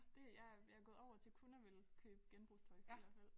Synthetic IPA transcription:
d̥e̝jɑ̈jɑæɡɔ̽ð̩ˠɒʊ̰ɐt͡sʰe̝lkʰunɐʋelkʰøːb̥əɡ̥enb̥ʁust͡sʰɒ̽ɪfeɒfel̰

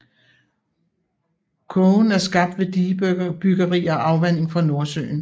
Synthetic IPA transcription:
kʰɔnæɐsɡ̥ɑ̈b̥̚d̥ʋe̝d̥ib̥yɡ̥ɐʁḭːɐɒʔɑ̈ʊʋæn̰e̝ŋfɒ̽no̝ɐsø̰ːn̩

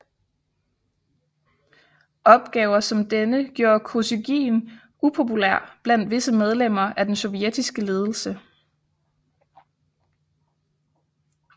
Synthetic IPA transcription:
ʔɒ̽b̥̚ɡ̥ɛːʊɐsɒ̽md̥enəɡ̥jo̝ːɐkʰoseɡ̥ḭːn | upʰo̝pulæɐ̰b̥læn̰d̥ʋe̝səmeð̞ˠlem̰ɐʔæd̥ensɔ̽ʋied̥isɡ̥əle̝ːð̞ˠl̩sə

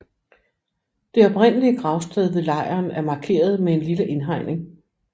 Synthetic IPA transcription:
d̥e̝ɒ̽b̥ʁen̰əliəɡ̥ʁɑ̈ʊsd̥ʁɛðˠðe̝lɑ̈ɪ̰ɐːnæɐmɑ̈ːkʰe̝̰ːɐð̞ˠmee̝nliləʔe̝nɦɑ̈ɪnʔe̝ŋ

